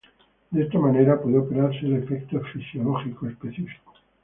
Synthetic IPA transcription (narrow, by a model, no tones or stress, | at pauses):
d̪eest̪amane̞ɾapweðeope̞ɾaɾseːle̞fekt̪ofisjo̞loxikoespe̞θifi̥ko